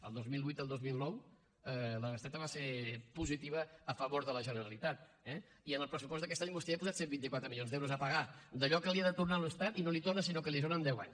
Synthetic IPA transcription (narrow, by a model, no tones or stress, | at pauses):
ə̰lˠd̪ozmilˠβujt̪əlˠd̪ozmilˠnɔw | ələrəsɛt̪əβaseɾpuzit̪iβəːfəβoɾðələʒənəɾəlit̪at̪ | ɛ | iənəlˠpɾəsupɔst̪d̪əkɛst̪aɲmust̪ipuzat̪sembint̪ikwat̪ɾəmiljonzd̪ɛwɾuzəpəɣad̪əʎɔkəliəðət̪urnaləst̪at̪inolit̪ornəsinokəliðonənd̪ɛwa̰ɲs